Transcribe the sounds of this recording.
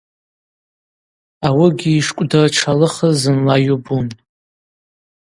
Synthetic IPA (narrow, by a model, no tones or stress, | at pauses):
awɪɡʲiːʂkʷʼdarʈ͡ʂʰalɨχəzɨnlajubun